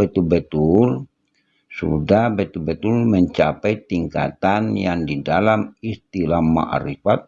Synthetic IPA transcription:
bɛt̪ulbət̪ul | sṵdahbɛt̪ulbət̪ulməɲt͡ʃapɛjt̪iŋka̰t̪anjaŋdidalamist̪ilahma̰ʔa̰ɾɛfat̪̚

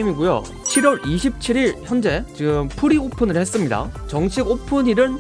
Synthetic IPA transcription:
imiɡujo̰ | t͡ɕʰiɾwʌɾiɕʰip̚t͡ɕʰiɾiɭçjʌnd͡ʑe̞t͡ɕiɡɯmpʰuɾiopʰɯnɯɭhe̞s͈ɯmɲida̰t͡ɕʌŋɕʰiɡopʰɯɲiɾɯɭ

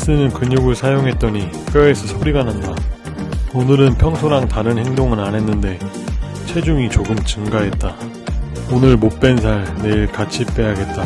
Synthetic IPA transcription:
s͈ɯnɯnkɯɲoɡɯɭsʰajoŋɦe̞t̚t͈ʌɲi | k͈eesʰʌsʰoɾiɡananda | onɯɾɯnpʰjʌŋsʰoɾaŋtaɾɯnhe̞ŋdoŋɯnanɦe̞nːɯnde̞ | t͡ɕʰe̞d͡ʑuŋit͡ɕoɡɯmt͡ɕɯŋɡaɦe̞t̚t͈a | onɯɭmop͈e̞nsʰaɭne̞iɭkat͡ɕʰip͈e̞ɦaɡe̞t̚t͈a

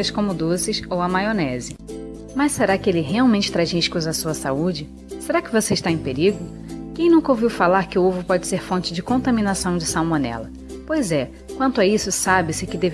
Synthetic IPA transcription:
ɐskõmʊd̪osɪsowɐmajonɛzɪ | mɐsseɾakɪelɪɛɦeawmẽt͡ʃɪ̥t̪ɾazĩʃkuzɐsuɐsaud͡ʒɪ | seɾakɪvoseɪʃt̪aẽj̃peɾiɡʊ | kẽj̃nũkɐowviwfalaɾkɪʊovʊpɔd͡ʒɪseɾfõnt͡ʃɪd͡ʒɪkõt̪aminasɐ̃w̃d͡ʒɪsawmonɛ̰lɐ | pojzɛ | kwɐ̃nt̪ʊaisʊsabɪsɪkɪd̪ev

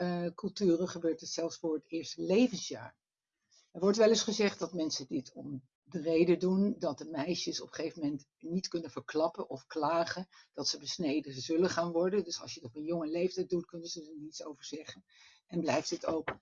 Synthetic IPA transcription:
əkɵlˠtyːrəχəbøːɹtətsɛlˠfsfʊːɹətɪːɹstəlejvənsja̰ːɹ | ɛɹʋɔɹtʋɛlɪsχəzɛχt̚dɑtmɛnsədɪətʰɔm | dərejdədundɑt̚dəmɛjʃəsɔpə̥χejvəmɛnt | nitkɵnəv̥əɹklɑpənʔɔfklaːχənd̥ɑtsəbəsnejdəzɵləχaːnʋɔɹdəndɵsɑ̰lˠʃjədɔpənjʊŋəlejftɛjt̚dutkɵnəzədənnitso̰wvəɹz̥ɛχən | ɛnblɛjftətowk

